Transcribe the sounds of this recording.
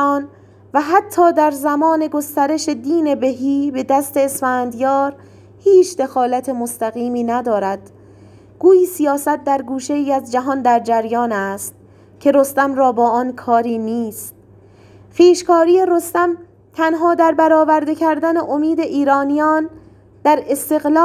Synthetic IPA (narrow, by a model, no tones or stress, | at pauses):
n | væɦæt̪ʰːɒːd̪æɾzæmɒːne̞ɡo̞st̪æɾe̞ʃe̞d̪iːne̞be̞ɦiːbe̞d̪æst̪e̞ːsfæːnd̪jɒːɾ | hiːt͡ʃʰd̪e̞xɒːlæt̪ʰe̞most̪æɣiːmiːnæd̪ɒːɾæd̪̥ | ɡ̥uːjiːsijɒːsæt̪̚d̪æɾɡuːʃe̞jiːæzd͡ʒæɦɒnd̪æɾd͡ʒæɾjɒːnæst̪̚ | cʲʰe̞ɾost̪æmɾɒːbɒːʔɒnkʰɒːɾiːniːst̪̚ | xiːʃkʰɒːɾiːje̞ɾost̪æm | t̪ʰænɦɒːd̪æɾbæɾɒːvæɾd̪e̞cʰæɾd̪æneʔomiːd̪e̞ʔiːɾɒːnijɒːn | d̪̥æɾe̞st̪e̞ɣlː